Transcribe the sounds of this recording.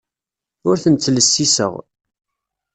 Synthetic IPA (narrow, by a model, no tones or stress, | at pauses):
ʊɾθənt͡s̪ːləsːisə̰ʁ